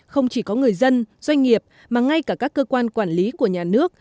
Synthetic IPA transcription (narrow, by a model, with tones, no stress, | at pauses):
xə˧wŋ͡mt͡ɕi˧˩kɔ˨˦ŋɨ˨˩əjzə˧nzwa˧jŋ̟ŋi˨˩əp̚ | maː˨˩ŋa˧jkaː˧˩kaː˦˥kːəː˧kwaː˧nkwaː˧˩nli˨˦ku˧˩əɲaː˨˩nɨ˦˥ək̚